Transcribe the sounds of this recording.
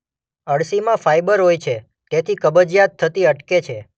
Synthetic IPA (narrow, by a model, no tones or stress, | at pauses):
əɽsimãfajbəɾɦojt͡ʃʰe | t̪et̪ʰikəbəd͡ʒjat̪ʰːət̪iəʈket͡ʃʰe